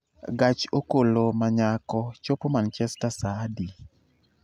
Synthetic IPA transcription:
ɡat͡ʃokolomaɲakɔt͡ʃopomant͡ʃɛstasadi

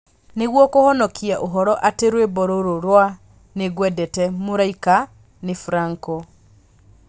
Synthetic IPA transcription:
neɣwɔkohɔnɔkiaʔoɦɔɾɔʔateɾwebɔɾoɾoɾwa | neɣwɛdɛtɛmoɾaika | nefuɾaŋkɔ

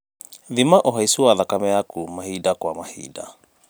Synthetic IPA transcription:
ðimaʔoɦaisuwaðakamɛjakumahidakwamahḭːda̰

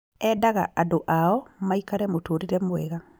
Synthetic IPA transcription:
ɛdaɣa̰ʔadoʔaɔmaikaɾɛmotoːɾiɾɛmoɛɣa

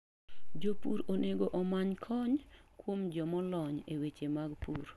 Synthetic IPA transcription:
d͡ʒopṵɾoneɡoʔɔmaɲkʰɔɲkwomd͡ʒɔmɔlɔɲewet͡ʃemaɡpuɾ

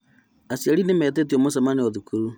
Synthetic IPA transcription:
asiaɾinemɛt̬et̬iomosamanioðukuɾu

